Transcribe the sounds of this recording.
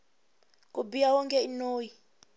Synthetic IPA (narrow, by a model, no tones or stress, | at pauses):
kʼubijawɔŋkʼɛinoːji